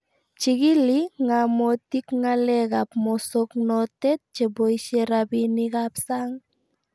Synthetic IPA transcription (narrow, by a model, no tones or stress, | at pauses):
t͡ʃikiliŋamotikŋalɛkapmɔsoknɔtɛt̚t͡ʃeboiʃeɾabinikapsaŋ